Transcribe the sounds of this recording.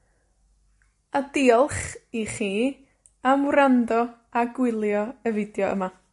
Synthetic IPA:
adiːɔlˠχiχiː | amwrandɔ | aɡwɪlˠjɔəvɪdjɔə̰ma

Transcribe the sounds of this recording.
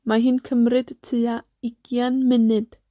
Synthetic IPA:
maɦinkʰəmɾɪd̪t͡sʰia | ikianmɪnɛd̪

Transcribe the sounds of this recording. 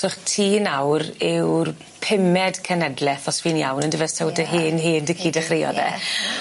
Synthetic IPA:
ʊχtʰiːnawrɪwr | pʰɪmɛdkʰənɛdlˠɛθɔsviːnja̰wnəndəvɛstʰɛwdəɦiːnɦiːndəkʰiːdəχrɪjɔ̰ðɛ̰

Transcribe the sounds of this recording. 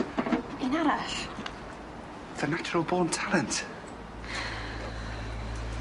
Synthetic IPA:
ɪnaɾaʃ | ðənat͡ʃʊɹəlˠbɔːntʰalˠɛnt

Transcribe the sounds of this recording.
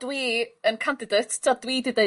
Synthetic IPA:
d̥wiːənkʰandɪdetːʰadwiːdɪde

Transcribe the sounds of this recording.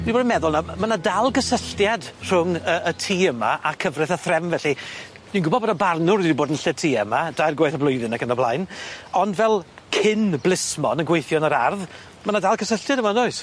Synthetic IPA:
diboːdnmɛðʊlˠnamanadalˠɡəsəɬtjadr̥ʊŋəətʰiːəma̰ʔakʰəvrɪθaθrɛmvɛɬi̥ | inɡʊbɔdbɔdɔbarnʊɾdiboːdənɬɛtʰiːəmad̥ajrɡwaɨθəblˠʊɨðɪnakʰənɔblˠajnɔndvɛlˠ | kʰɪnblˠɪsmɔnənɡwejθjɔnəɾarð | manadalˠkʰəsəɬtjadəmanoɨs

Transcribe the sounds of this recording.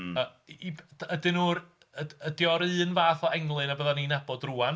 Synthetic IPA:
əbədɨnuːr | əədjɔɾɨːnvaːθɔɛŋlˠɨnabəðaninabɔdruan

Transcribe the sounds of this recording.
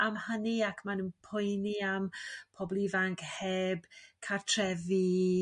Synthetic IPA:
amhəniakʰmanənpʰʊjniampʰɔblˠivaŋkʰheːbkʰartʰrɛvi

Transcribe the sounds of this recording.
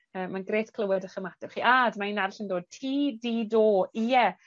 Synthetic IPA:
əːmanɡreːtkʰlˠəwɛdəχəmatɛχiːʔadmainarɬəndoːd̚tʰiːdiːdoːijɛ

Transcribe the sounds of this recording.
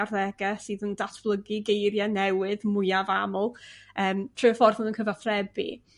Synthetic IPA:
arðɛɡɛsɨːðəndatʰb̥lˠəɡiɡejɾjanɛwɪðmʊjavamɔlˠəːmtʰrɨəfɔrðənənkʰəvaθrɛbḭ

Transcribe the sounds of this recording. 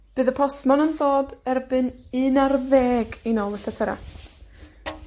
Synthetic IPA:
b̥ɨːðəpʰɔsmɔnəndoːdɛrbɨnɨnarðeːɡinoːlˠəɬatʰəɾa̰

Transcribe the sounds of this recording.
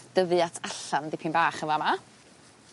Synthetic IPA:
d̥əvɨatʰaɬandɪpʰɪnbaːχəvama

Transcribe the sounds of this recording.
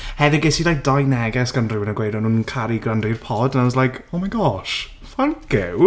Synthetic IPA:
hɛðɪɡɪsidajk̚d̥ajnɛɡɛsɡ̥anrɪwɪnəɡwejdɔnuːnkʰaɾiɡrandrirpʰɔdnaslˠajkʰɔmanɡɔʃ | faŋkʰɪw

